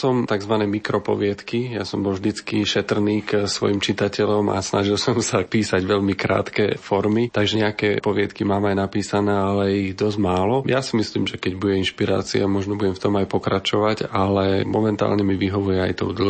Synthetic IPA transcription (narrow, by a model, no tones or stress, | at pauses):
sɔmt̪aɡzʋanɛːmikɾɔpɔ̰ʋɪɛt̪kijasɔmbɔlvʒd̪it͡skiʃɛt̪r̩niːksʋɔ̰jimt͡ʃit̪acɛʎɔma̰snaʒilˠsɔmsapiːsaɟʋɛʎmikɾa̰ːt̪kɛfɔɾmit̪aɡʒɛɲɛakɛ̰ːpɔʋɪɛt̪kimaːmajnapiːsanɛːalɛiɣd̪ɔzmaːlɔjasimislḭːmʒɛkɛɟbuɟɛinʃpiɾa̰ːt͡siamɔʒnɔbuɟɛmft̪ɔmajpɔkɾat͡ʃɔʋacalɛmɔmɛnt̪a̰ːlɲɛmiʋiɦɔʋujɛajt̪ɔ̰ʊd̪l̩